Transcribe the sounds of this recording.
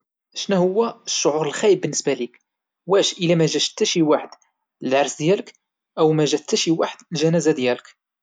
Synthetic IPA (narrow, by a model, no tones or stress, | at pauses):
ʃnæhʊwːæəʃːoʕuɾəlxæjəbːənːəsbælik | wæʃʔəlæmæʒæʃt̪ːæʃiwaħəd̪̥ | əlʕɑɾsd̪jælək | ʔəwmæʒæt̪ːæʃiwaħəd̪lʒænæzæd̪jælək